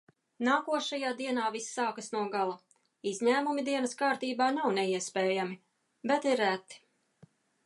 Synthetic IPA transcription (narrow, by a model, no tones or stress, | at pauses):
naːkuɔʃajaːd̪iɛnaːvisːaːkasnuɔɡalˠa | izʲɲæːmumid̪iɛnɐskaːɾt̪iːbaːnawnɛiɛspɛːjami | bɛt̪iɾæt̪i̥